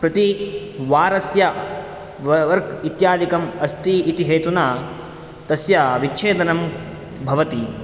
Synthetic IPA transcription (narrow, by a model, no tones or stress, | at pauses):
pɾɐt̪i | ʋaːɾɐsjɐ | ʋɐɾɡit̪jaːd̪ikɐmɐst̪iːt̪iɦeːt̪unaː | t̪ɐsjɐʋit͡ʃʰeːd̪ɐnɐm | bʱɐʋɐt̪i